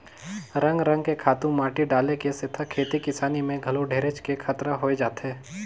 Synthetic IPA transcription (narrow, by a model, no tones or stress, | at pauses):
ɾɐ̃ŋɡɾɐ̃ŋɡkekʰaːt̪ũmaːʈiɖaːlekesɪt̪ʰakʰeːt̪ikɪsaːnimẽɡʱɐloɖʱeːɾet͡ʃkekʰət̪ɾaɦoːed͡ʒaːt̪eː